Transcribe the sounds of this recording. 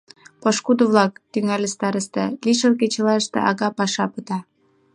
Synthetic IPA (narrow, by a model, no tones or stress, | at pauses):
pɤʃkud̪oβlɑk̚t̪yŋælʲəst̪ɑɾəʃt̪ḛliʃəlket͡ɕə̆lɑʃt̪ḛʔɑɣɑpɑʃɑpət̪ɑ